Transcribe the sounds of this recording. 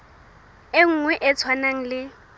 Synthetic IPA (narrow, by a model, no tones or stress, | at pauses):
eŋ̩ŋwɛʔɛt͡sʰwanaŋ̩lɪ